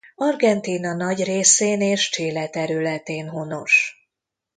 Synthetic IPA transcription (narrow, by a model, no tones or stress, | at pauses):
ɒrɡɛnt̪iːnɒnɒɟreːseːneːʃt͡ʃeːlɛt̪ɛɾylɛt̪eːnɦo̞no̞ʃ